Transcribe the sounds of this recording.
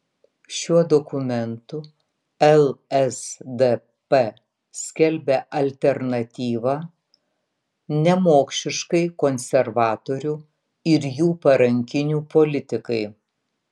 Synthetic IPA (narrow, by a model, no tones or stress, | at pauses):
ʃʲuɔd̪okʊmʲɛnt̪ʊ | ɛlˠɛsd̪e | pɛ | sʲkʲɛlʲbʲɛʔɐlʲt̪ʲɛɾnɐt̪ʲiːʋɑː | nʲɛmoːkʃʲɪʃkɐɪkonʲsʲɛɾʋɑːt̪oːɾʲuː | ɪɾjuːpɐɾɐŋʲkʲɪnʲuːpolʲɪt̪ʲɪkɐɪ